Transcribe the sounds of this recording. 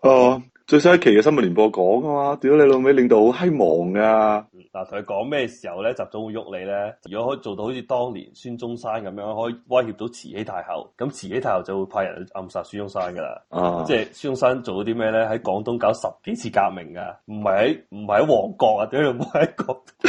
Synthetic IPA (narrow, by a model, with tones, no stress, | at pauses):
aː˧˩ | t͡ʃɵ˧ɥs̬ɐ˥jɐ˥kʰe˨˩jkɛː˧sɐ˥nmɐ˨lyː˨˩pɔː˧kɔː˨˥ŋɡɐ˥maː˧t̪i˨˥wjo˦˥le˧lo˨˧me˨˧˥lɪ˨ŋt̪o˧who˨˥whɐ˥jmɔː˨˩ŋkaː˧˥˩ | laː˨˩t̪ʰŋkʰə˧kɔː˨˥ŋmɛː˥ɛ˧si̥ː˨˩hɐ˨˩wlɛː˥t͡saː˨t͡sʊ˨˥ŋwu˨˧jːʊ˥k̚le˨˧lɛː˥t͡sɐ˨˩ɔ˨˥˨t͡so˨wt̪o˧ho˨˧˥t͡sʰiː˨˧t̪ɔː˥ŋlḭː˨˩nsyː˥nt͡sʊ˥ŋsaː˥nkɐ˨˦mjœː˨˥ŋ˧hɔː˨˥i˨wɐ˥jhi˧p̚t̪o˨˥wt͡sʰḭː˨˩he˨˥jt̪ʰaː˧jhɐ̰˨˩wkɐ˨˥mt͡sʰiː˨˩he˦˥jt̪ʰaː˧˩hɐ˨wt͡sɐ˨wu˨˧jpʰaː˧jɐ̰˨˩nhʔɐ˧msaː˧tsyː˥jʊ˥ŋsaː˥nkɡɐ˧la̰˧˩a˧t͡sɛː˥˩syː˥ʊ˥ŋsaː˥nt͡so˨wt̪o˨˧˥t̪i˥mɛː˥lɛː˥ɦɐ˨˥jkɔː˨˥ŋt̪ʊ˥ŋka˨˥wsɐ˨p̚ke˨˥jt͡sʰiː˧ka̰ː˧k̚mɪ̰˨˩ŋka̰˧m̩˨˩hɐ˨jhɐ˨˥jm̩˨˩hɐ˨˩jhɐ˨˥jwɔː˨˩ŋkɔː˧k̚a˧t̪i˨˥jm˨˩hɐ˨˦jkɔː˧˥k̚